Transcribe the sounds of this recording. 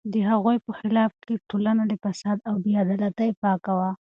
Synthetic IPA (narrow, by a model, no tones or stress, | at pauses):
d̪əɦaɣojpəxɪlɑfkeʈʰolanad̪əfasɑd̪awbijɑd̪alat̪ajpɑkawa